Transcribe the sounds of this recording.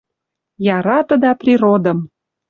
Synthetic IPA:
jɑɾɑt̪ə̆d̪ɑprʲiɾod̪ə̆m

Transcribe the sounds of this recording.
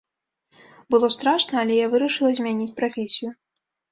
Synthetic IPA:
bɨlˠɔst̪ɾaʂnɐɐlʲɛjavɨɾɐʂɨlˠɐzʲmʲanʲit͡sʲpɾafʲesʲiju

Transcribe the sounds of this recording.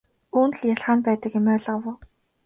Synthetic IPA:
uːn̆ɮjaɮχaːnpæːt̪ə̆kjemœːɮawʊː

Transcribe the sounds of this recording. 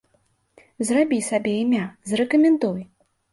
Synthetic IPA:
zrabʲisabʲɛimʲazɾɛkɐmʲɛnd̪uj

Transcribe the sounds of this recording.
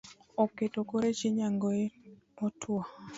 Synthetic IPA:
ɔketokoɾet͡ʃiɲaŋɡoe | ɔtʰwɔ

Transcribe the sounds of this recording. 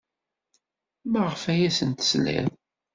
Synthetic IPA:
məʁəfæjæsənt̪ə̥slæ̰m

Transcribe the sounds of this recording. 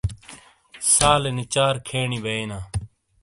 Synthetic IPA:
saːlenɪt͡ʃaːɾkʰeːɳiːbeeːnaː

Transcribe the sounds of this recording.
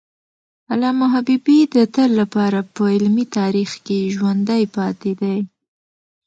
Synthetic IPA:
alɑmʊɦabibid̪ət̪əlːapɑɾapəɪlmit̪ɑɾixkeʒwand̪ajpɑt̪ed̪aj

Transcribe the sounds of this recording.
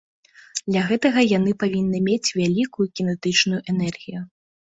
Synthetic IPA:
d̪lʲɐɣɛt̪ɐɣɐjan̪ɨpavʲinːɨmʲet͡sʲvʲalʲikujukʲinɛt̪ɨt͡ʂnujuʔɛnɛrɣʲiju

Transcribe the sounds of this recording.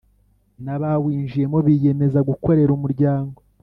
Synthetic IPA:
naβawiːnʒije̞mo̞βije̞me̞zaɡuko̞ɾe̞ɾumuɾɟaːŋɡo

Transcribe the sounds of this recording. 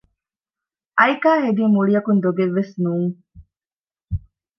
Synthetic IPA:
ʔɐjkaːɦeɡiːmuɭijɐkund̪oɡeʋːesnuːŋ

